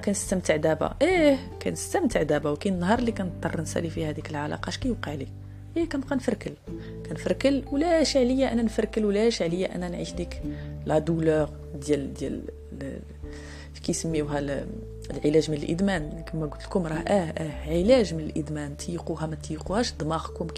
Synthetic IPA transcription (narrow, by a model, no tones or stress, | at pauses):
kænəst̪æmt̪əʕd̪æba̰ʔəh | kæ̰nəst̪əmt̪əʕd̪æbæwkænənːɦɑɾˤlikænət̪ˤːɑrˤːnsæ̰lifihæd̪ikəlʕalɑ̰qɑʃkæjəbqəʕli | ʔikænqænfəɾˤkəl | kænfəɾˤkəlwlæʃʕləjːaʔənːænfəɾˤkəlwlæʃʕləjːæʔæ̰nːænʕḭʃd̪iklæd̪uləɣ | d̪jæld̪jæ̰l | fi̥kæjsəmːiwɦæl | əlʕəlæʒmənəlʔə̰d̪mænkəmːæɡʊt̪ːlkʊmɾˤɑhʔæʔæʕəlæʒmənəlʔə̰d̪mænt̪ʰjquhæmæt̪jiquhæʃd̪ˤmɑqkʊmk